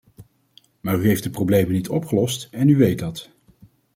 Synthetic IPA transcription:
maːryɦejfdəprowblejmənitɔpχəlɔstɛnyʋejtdɑt

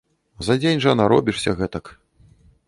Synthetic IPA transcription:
zɐd͡zʲenʲʐanaɾɔ̰bʲiʂsʲɐɣɛt̪ɐk

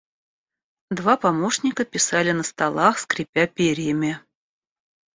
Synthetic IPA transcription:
d̪vapamoʂnʲɪkəpʲɪsɑlʲɪnəst̪ɑlˠɑxskɾʲɪpʲapʲeɾʲjɪmʲe

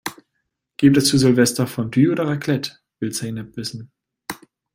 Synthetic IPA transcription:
ɡ̥iːp̚tɛst͡suːzɪlvɛstɐfɔndyːoːɾɐʁakʰl̥ɛt | v̥ɪlsaɪnɛpv̥ɪsn̩

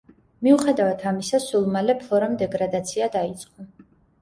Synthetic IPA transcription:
miuχɛd̪avat̪ʰamisasulˠmalɛpʰlˠɔɾamd̪ɛɡɾad̪at̪sʰiad̪ait̪sʼqʼɔ

